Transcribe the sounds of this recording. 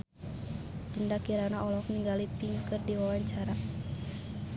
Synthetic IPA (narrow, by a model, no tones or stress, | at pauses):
d͡ʒindakiɾanaʔɔlɔɔkniŋɡalipiŋkərdiwawaɲt͡ʃaɾa